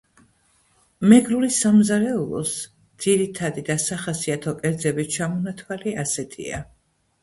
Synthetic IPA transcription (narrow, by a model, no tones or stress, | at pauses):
mɛɡɾulisamzaɾɛulˠɔ̰s | d̪z̥iɾit̪ʰad̪id̪asaχasiat̪ʰɔkʼɛɾd̪zɛbit͡ʃʰamɔnat̪ʰwaliasɛt̪ʰḭa̰